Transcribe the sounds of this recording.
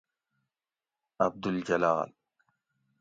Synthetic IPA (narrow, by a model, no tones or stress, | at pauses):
ʔab̚d̪ʊld͡ʒala̰ːl